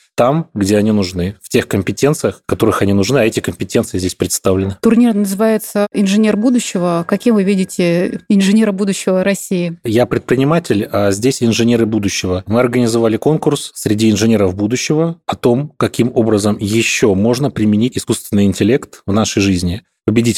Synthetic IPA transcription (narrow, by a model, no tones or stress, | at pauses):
t̪amɡdʲe̞ɐnʲinʊʐnɨftʲe̞xkəmʲpʲɪtʲe̞nt̪sɨjəxkːɐt̪o̞ɾɨxɐnʲinʊʐnɨɐɛtʲɪkəmʲpʲɪtʲensɨjɪzʲdʲesʲpɾʲɪt̪st̪avlʲɪnɨt̪ʊrnʲirmnəzɨvajɪt̪səɪnʐɨnʲerbud̪ʊɕːɪvəkɐkʲimvɨvʲidʲɪtʲɪɪnʐɨnʲeɾəbud̪ʊɕːɪvəɾɐsʲːiɪjapɾʲɪt̪̚pɾʲɪnʲɪmatʲɪlʲazʲdʲesʲɪnʐɨnʲe̞ɾɨbud̪ʊɕːɪvəmɨɐrɡənʲɪzɐvalʲɪko̞nkʊrssʲɾʲɪdʲiɪnʐɨnʲe̞ɾəvbud̪ʊɕːɪvəɐt̪o̞mkɐkʲimo̞bɾəzəmjɪɕːo̞mo̞ʐnəpɾʲɪmʲɪnʲitʲɪskust̪vʲɪnːɨjɪnʲtʲɪlʲe̞kt̪vnaʂəjʐɨzʲnʲɪ | pəbʲɪdʲitʲ